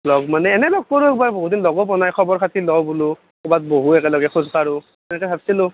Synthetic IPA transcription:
lɔɡmanɛːnɛlɔɡ̚koɹuɛkbaɹboɦutdinlɔɡɔpɔnajkʰɔbɔɹkʰatilɔwbulʊ | kɔbat̚boɦuɛkɛlɔɡɛxʰuzpaɹʊ | tɛnɛkɔsʰatsilʊ

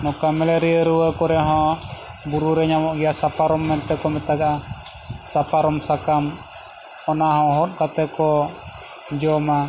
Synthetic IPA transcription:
nɔkamɛleɾiəɾuwəkɔɾɛɦɔ | buɾuɾɛɲamɔʔɡiasapaɾɔmːɛnt̪ɛkɔmɛt̪aɡaa | sapaɾɔmsakam | ɔnaɦɔɦɔt̪̚kat̪ɛkɔ | d͡ʒɔma

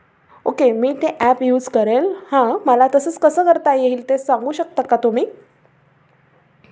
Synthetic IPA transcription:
okemiːt̪eʔæpjuːd͡zkəɾelhãməlat̪əsəːt͡skəsəːkəɾt̪ajeɦiːlt̪esaŋɡuːɕək̚t̪akːat̪um̤iː

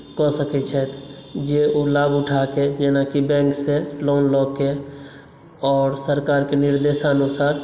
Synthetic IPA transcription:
kɔsəkɛt͡ʃʰɛt̪d͡ʒeolabʊʈʰaked͡ʒenakibɛ̃ŋkseloːnlɔke | ɔːɾsəɾkaːɾkenɪɾd̪eʃanusaːɾ

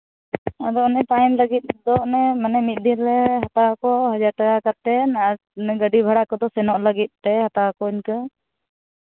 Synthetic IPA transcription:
ad̪ɔʔnɛt̪ajnləɡit̪̚ˀd̪ɔʔnɛmanɛmit̪̚ˀd̪ʱiɾlɛɦat̪awakɔɦəd͡ʒaɾʈakakat̪ːɛnaa | ɛɡəɖibʱaɽakɔd̪ɔsɛnɔʔləɡit̪̚ˀt̪ɛhat̪aakɔiɲkə

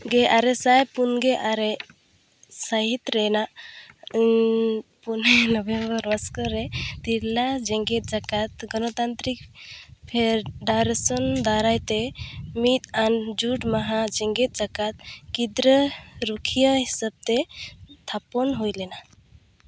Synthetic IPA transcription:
ɡeʔaɾesajpunɡeʔaɾe | saɦit̪ɾɛna | punenɔbẽmbəɾməskəɾɛt̪iɾlad͡ʒɛŋɡet̪̚d͡ʒakat̪ɡɔnɔt̪ant̪ɾikpʰeɾɖaɾesɔnd̪aɾajt̪emit̪and͡ʒuʈmaɦad͡ʒɛ̃ŋɡet̪̚d͡ʒakat̪kid̪ɾəɾukʰijəɦisab̚t̪et̪ʰapɔnɦojlɛna

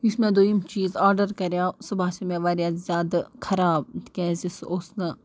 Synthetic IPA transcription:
ismẽd̪oimt͡ʃiːzaːɾɖəɾkɐɾjaːsɐbaːsɐmẽːʋaːɾʲjaːzzʲjaːd̪kʰɐɾaːb̪̚kẽːzisoːsnɐ

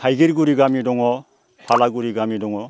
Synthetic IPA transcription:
hajɡiɾɡuɾiɡamidɔŋɔ | pʰalaɡuɾiɡamidɔŋɔ

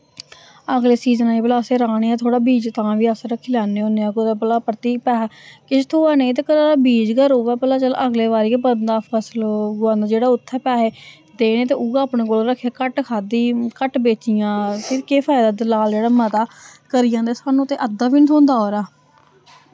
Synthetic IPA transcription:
əɡleːsiːzənaĩːbəlaːseːɾaːɽ̃eːãːt̪ʰoːɽaːbiːd͡ʒt̪ãːʋiːaːsɾəkʰːiːlaːneːõːneːãːkot̪aːpəlaːpɾət̪iːk̚pɛːaːkɪst̪ʰoːaːnẽːt̪̬eːkəɾaːbiːd͡ʒkəɾoːʋɛːpəlaːt͡ʃələɡleːʋaːɾiːebənd̪aːpʰəslɡʊãːnd̪aːd͡ʒeːɽaːʊt̪ʰːɛːpɛːɦeː | d̪eːɽ̃eːt̪eːʔuɡaːpɳẽːkoːlɾəkʰːjaːkəʈkʰaːd̪iːkəʈbeːt͡ʃijãːsʰɪɾkeːpʰaːɪd̪aːd̪ɪlaːld͡ʒeːɽaːmət̪aːkəɾɪjãːd̪eːsaːnũːt̪eːʔəd̪aːbiːnt̪ʰõːnd̪aːɦoːɾaː

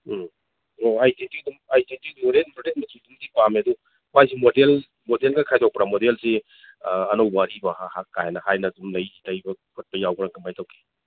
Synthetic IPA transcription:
oajdentik̚dumajdentikoɾenpɾodet̚mɐsidumdipameɐdu | majsimodel | modelɡɐkʰajdɔk̚pɾamodelse | ɐnowbaɾibɐhahakːajenɐhajnɐdumlɐjtajbɐkʰot̚pɐjawɡɾaŋkɐmajtawɡe̥

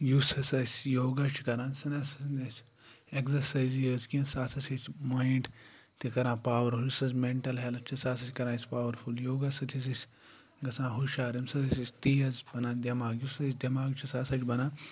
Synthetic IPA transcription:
jusɐsɐsʲjoːɡat͡ʃʰikɐɾãːsɐnɐsɐnɐsʲ | ekzɐɾsɐjzjəːzkĩnsaːsɐsɐsʲmaːiɳʈ | t̪ikɐɾãːpaːʋɐɾujusɐsmeɳʈɐlɦelɐt͡ʃʰisaːsɐsʲkɐɾãːspaːʋɐɾfʰuljoːɡasɐt̪ʰis̬ɐsʲ | ɡɐsãːɦuʃaːɾimsɐt̪ʰɐsisʲt̪iːjɐzbɐnãːd̪ʲɐmaːɡjusɐsʲd̪ʲɐmaːɡt͡ʃʰisaːsɐt͡ʃʰʲbɐnãː

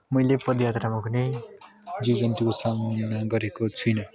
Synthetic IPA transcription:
mʌjlepʌd̪jat̪ramakʰunej | d͡zid͡zʌnt̪ikosamnaɡʌɾekot͡sʰujnʌ

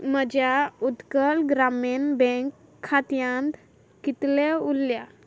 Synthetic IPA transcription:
məd͡ʑjaud̪kəlɡɾamenbɛ̃ŋkʰː | at̪jãnt̪ | kit̪leulja

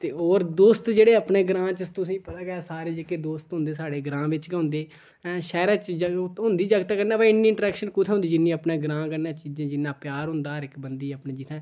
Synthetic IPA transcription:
t̪eːoːɾd̪oːst̪d͡ʒeːɽeːəpɳeːɡɾãːt͡ʃət̪ʊsĩːpət̪aːɡɛaːsaːɾeːd͡ʒəkːeːd̪oːst̪ɦʊ̃nd̪eːsaːɽeːɡɾãːʋɪt͡ʃɡʊ̃nd̪eː | ʃɛːɾaːt͡ʃd͡ʒɦʊ̃nd̪iːd͡ʒəɡt̪aːkəɾnaːpãɪnːĩːɪɳʈɾɛːkʃənkʊt̪ʰeɦʊ̃nd̪iːd͡ʒɪnːĩːəpnẽːɡɾãːkəɾnãːt͡ʃiːd͡ʒãːd͡ʒɪnːãːpjaːɾɦʊ̃nd̪aːɾɪkbənd̪iːəpnẽːd͡ʒɪt̪ʰɛ̃ː

